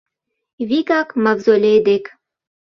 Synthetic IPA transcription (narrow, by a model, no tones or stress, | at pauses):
βikɑkmɑvzolʲed̪ek